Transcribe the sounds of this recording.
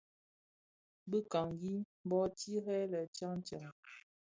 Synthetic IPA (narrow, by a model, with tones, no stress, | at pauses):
bə˦ka˨ŋɡi˦m˦bɔ˦ti˦ɦɛ˦lə˨t͡ʃa˦ŋ˦t͡ʃa˨ŋ